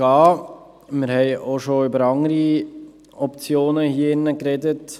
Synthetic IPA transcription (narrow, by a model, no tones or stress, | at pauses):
ɑː | mɪɾhɛɪʔoʃoʏbəɾɑŋəɾi | ɔpt͡sjoːnəhiːəɪnːəkɾɛdət